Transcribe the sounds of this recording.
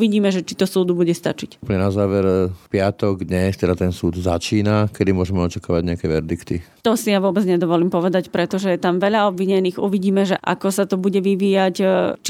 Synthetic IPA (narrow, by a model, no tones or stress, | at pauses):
ʋiɟiːmɛʒɛt͡ʃit̪ɔsuːd̪ubuɟɛst̪at͡ʃicpɲɛnazaːʋɛɾpɪat̪ɔɡd̪ɲɛst̪ɛd̪at̪ɛnsuːd̪zat͡ʃiːnakɛd̪imʊɔʒɛmɛɔt͡ʃakaːʋaɟɲɛakɛʋɛɾd̪ikt̪i | t̪ɔsijaʋʊɔbɛd͡zɲɛd̪ɔʋɔliːmpɔʋɛd̪acpɾɛt̪ɔʒɛjɛt̪amʋɛʎaɔbʋiɲɛniːɣuʋiɟiːmɛʒɛʔa̰kɔsat̪ɔbuɟɛʋiʋiːjact͡ʃ